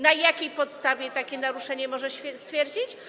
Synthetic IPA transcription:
najakʲejpɔt̪st̪avʲjɛt̪akʲɛnaɾuʂɛɲɛmɔʐɛɕfʲɛst̪fʲjɛɾd͡ʑit͡ɕ

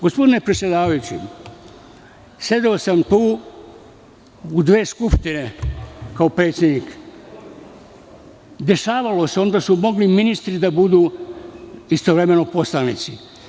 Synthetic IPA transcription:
ɡ̥o̞spo̞d̪ine̞pɾet̪sʲje̞d̪aːʋajut͡ɕḭ | sed̪eosamt̪uː | ud̪ʋe̞ːskupʃt̪inekaopɾe̞ːt̪sʲje̞d̪niːk | d̪e̞ʃaːʋalo̞seo̞nd̪asumo̞ɡliminist̪ɾid̪abud̪uː | ist̪oʋɾe̞me̞no̞po̞slaʋnḭt̪si

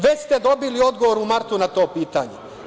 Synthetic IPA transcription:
ʋest̪ed̪o̞bilio̞d̪ɡoʋoɾumaɾt̪unat̪oːpiːt̪a̰ːɲḛ

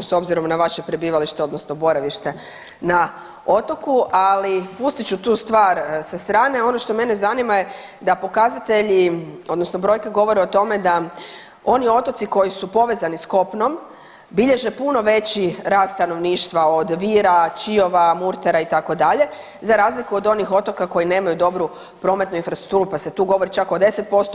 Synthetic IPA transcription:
so̞bziɾo̞mnaʋaʃe̞pɾe̞biːʋaliʃt̪e̞o̞d̪nosnobo̞ɾaʋiʃt̪e̞ | na | o̞t̪o̞kuʔalipust̪it͡ɕut̪uːst̪ʋaːɾsast̪ɾaːne̞o̞noʃt̪o̞me̞nezanimaje̞ | d̪apo̞kazat̪e̞ʎio̞d̪nosno̞bɾo̞jkeɡo̞ʋo̞ɾeo̞t̪o̞me̞d̪a | o̞nio̞t̪o̞t̪siko̞jisupo̞ʋe̞ːzanisko̞pno̞m | biʎe̞ʒe̞puno̞ʋe̞t͡ɕiɾaːst̪t̪ano̞ʋniːʃt̪ʋao̞d̪ʋiːɾat͡ʃio̞ʋamuɾt̪eɾait̪ako̞d̪aʎe̞ | zaɾaːzlikuo̞d̪o̞nixo̞t̪o̞kako̞jine̞ːmajud̪o̞bɾu | pɾo̞ːmet̪nuinfɾasɾuk̚t̪uːɾupase̞t̪uːɡo̞ʋo̞ɾit͡ʃako̞d̪e̞se̞t̪̚po̞st̪o

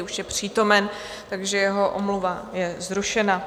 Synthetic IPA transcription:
uʃjɛpr̝̥iːt̪o̞mɛn | t̪aɡʒɛjɛɦo̞ʔo̰mluvajɛzɾuʃɛna

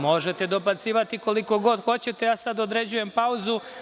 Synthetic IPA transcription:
mo̞ʒe̞t̪e̞d̪o̞bat̪siːʋat̪iko̞liko̞ɡo̞d̪xo̞t͡ɕe̞t̪e̞jaːsad̪od̪ɾe̞d͡ʑuje̞mpauzu

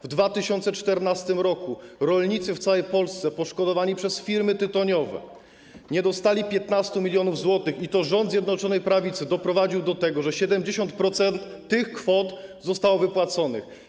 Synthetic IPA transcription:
vd̪vat̪ɘɕɔnt̪sɛt͡ʂt̪ɛɾnast̪ɘmɾɔkuɾɔlɲit̪sɘft̪sawɛjpɔlst̪sɛpɔʂkɔd̪ɔvaɲipʂɛsfʲiɾmɘt̪ɘt̪ɔɲɔvɛ̰ | ɲɛd̪ɔst̪alʲipʲjɛt̪nast̪umʲilʲjɔnuvzwɔt̪ɘxit̪ɔʐɔnd̪zʲjɛd̪nɔt͡ʂɔnɛjpɾavʲit̪sɘd̪ɔpɾɔvad͡ʑiwd̪ɔt̪ɛɡɔʐɛɕɛd̪ɛmd͡ʑeɕɔnt̪pɾɔt̪sɛnt̪ːɘxkfɔt̪zɔst̪awvɘpwat̪sɔnɘ̰x

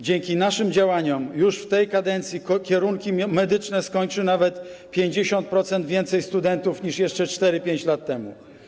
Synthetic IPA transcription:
d͡ʑɛŋkʲinaʂɘmd͡ʑawaɲɔmjuʂft̪ɛjkad̪ɛnt̪sʲjikkʲɛɾuŋkʲimɛd̪ɘt͡ʂnɛskɔɲt͡ʂɘnavɛt̪pʲjeɲd͡ʑeɕɔnt̪̚pɾɔt̪sɛnd̪vʲjɛnt̪sɛjst̪ud̪ɛnt̪ufɲiʂjɛʂt͡ʂɛt͡ʂt̪ɛɾɘpʲjeɲt͡ɕlat̪ːɛmṵ

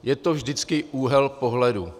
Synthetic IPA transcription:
jɛt̪ovʒdɪt͡skɪʔuːɦɛlpo̞ɦlɛdu

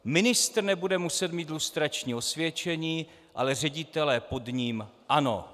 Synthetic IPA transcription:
mɪnɪst̪rnɛbudɛmusɛt̪miːt̪lust̪ɾat͡ʃɲiːo̞svjɛt͡ʃɛɲiː | ʔa̰lɛr̝ɛɟɪt̪ɛlɛːpo̞dɲiːmʔano̞̰

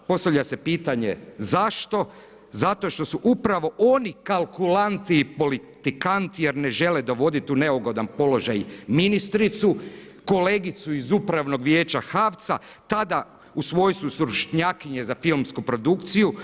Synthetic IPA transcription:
po̞st̪aʋʎase̞piːt̪aɲe̞zaʃt̪o̞ | zat̪o̞ʃt̪o̞suʔupɾaʋo̞ʔo̞nikalˠkulant̪iːpo̞lit̪ikant̪ije̞ɾne̞ʒe̞led̪o̞ʋo̞d̪it̪uneuɡo̞d̪anpo̞lo̞ʒajminist̪ɾit̪su | ko̞leːɡit̪suizupɾaʋno̞ɡʋje̞ːt͡ɕaxaʋt̪sa | t̪ad̪a | usʋo̞jsusɾuʃɲakiɲe̞zafilmskupɾo̞d̪ukt̪siju

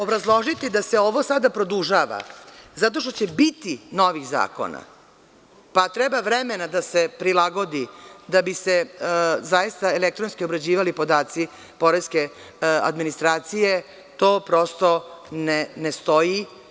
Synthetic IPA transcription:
obɾazlˠo̞ʒit̪id̪ase̞oʋo̞sad̪apɾo̞d̪uʒaʋa̰zat̪̬o̞ʃ̬t̪o̞t͡ɕe̞bit̪inoʋixza̰ːko̞̰na̰ | pat̪ɾɛbaʋɾemenad̪asepɾilaɡo̞d̪id̪abisezajist̪aelek̚t̪ɾonskio̞bɾad͡ʑiːʋalipo̞d̪aːt̪si | po̞ɾeske | a̰d̪minist̪ɾaːt̪sije̞ | t̪o̞ːpɾo̞st̪o̞nenest̪o̞ji

